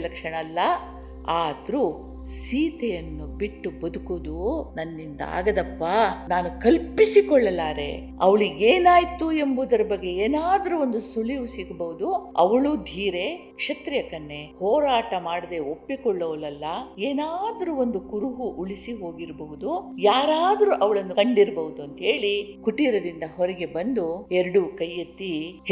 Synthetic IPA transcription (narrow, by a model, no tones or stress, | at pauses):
lɐkʂɐɳɐlːɐ | aːd̪ɾuː | siːt̪ejɐnːubiʈːubɐd̪ukod̪unɐnːind̪ɐ̰a̰ːɡɐd̪ɐpːɐnaːnukɐlpisikɔɭːɐlːaːɾe̞̰ | ɐʋɐɭiɡeːnaːjit̪ːue̞mbud̪ɐɾɐbɐɡːe̞eːnaːd̪ɐɾuo̞nd̪usuliʋusiɡɐbɐɦud̪uɐ̰ʋɐɭuːd̪ʱiːɾe̞ | kʂɐt̪ɾijɐkɐnːe̞hɔːɾaːʈɐmaːɽɐd̪e̞opːikɔɭːɐʋɐlɐlːɐeːnaːd̪ɐɾuond̪ukuɾuɦuʔːɭisiɦo̞ːɡiɾbɐɦud̪ujaːɾaːd̪ɐɾuʔɐʋɐɭɐnːukɐɳɖiɾbɐɦud̪uɐnt̪ɐɦe̞ːɭikuʈiɾɐd̪ind̪ɐɦɔɾɐɡe̞bɐnd̪uɛɾɐɽukɐjːɐt̪ːi